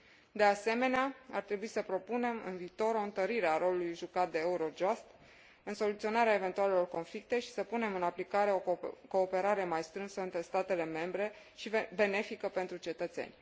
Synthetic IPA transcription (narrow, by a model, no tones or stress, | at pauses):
d̪e̞ase̞me̞neaa̰rt̪ɾe̞buisəpɾo̞pune̞mɨ̰nviːt̪o̞ɾo̞ɨnt̪əɾiɾe̞aɾo̞lulujʒukat̪̚d̪e̞euɾo̞d͡ʒost̪ | ɨnso̞lut̪sio̞naɾeaeve̞nt̪uale̞lo̞rko̞nflik̚t̪e̞ʃi̥səpune̞mɨnaplikaɾe̞o̞ko̞ːpe̞ɾaɾe̞majst̪ɾɨnsəɨnt̪ɾe̞st̪at̪e̞le̞me̞mbɾe̞ | ʃibe̞ne̞fikəpe̞nt̪ɾut͡ʃe̞t̪ət̪se̞̰nʲ